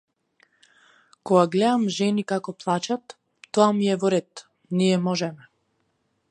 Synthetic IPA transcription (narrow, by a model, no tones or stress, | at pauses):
kɔɡaɡlɛd̪amʒɛnikakɔplˠat͡ʃat̪ː | ɔamiɛvɔɾɛt̪ | niɛmɔʒɛmɛ